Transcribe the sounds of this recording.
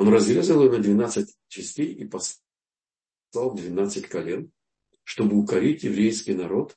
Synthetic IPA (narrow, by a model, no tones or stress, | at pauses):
onrɐzɾʲezəlˠjnəd̪vʲɪnat̪sɨt̚ʲ | t͡ɕɪsʲtʲejipɐs | lˠalˠd̪vʲɪnat̪sɨtʲkɐlʲen | ʂt̪o̞bɨʊkɐɾʲitʲjɪvɾʲejskʲijnɐɾo̞t̪